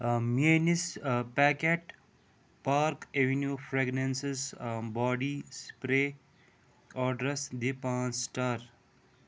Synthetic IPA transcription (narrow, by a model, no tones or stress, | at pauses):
mienispæːkeʈ | paːɾkeʋenjuːfɾeɡnensesbɔːɖispɾeː | ɔːɖɾɐsd̪epãːnsʈaɾ